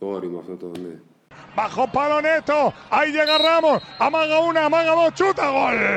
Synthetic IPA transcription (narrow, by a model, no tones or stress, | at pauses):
oɾimasot̪one | baχopalonet̪oajʎeɣaramosamaɣaunamaɣaðost͡ʃut̪aɣol